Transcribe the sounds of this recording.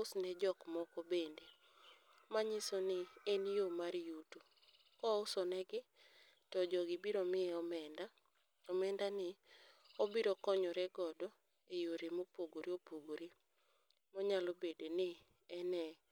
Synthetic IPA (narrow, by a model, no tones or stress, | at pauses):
ʊsnɛd͡ʒɔkmɔkɔbende | maɲɪsonɪenjomaɾjutu | kɔʊsɔnɛɡɪ | tɔd͡ʒɔɡɪbiɾomɪɛɔmɛnda | ɔmɛndanɪobiɾokɔɲɔɾɛɡɔdɔ | ejoɾemopoɡoɾiopoɡoɾi | mɔɲalɔbedenɪ | ɛnɛ